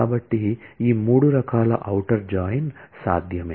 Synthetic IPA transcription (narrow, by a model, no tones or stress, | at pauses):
aːbɐʈːiiːmuːɽuɾɐkaːlɐ̰ʔɐwʈɐɾd͡ʒaːjnsa̰ːd̪ʱjɐmeː